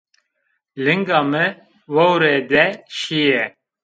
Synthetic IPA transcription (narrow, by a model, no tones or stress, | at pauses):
lɨŋɡɑːmɨ | wɛwɾed̪ɛʃijɛ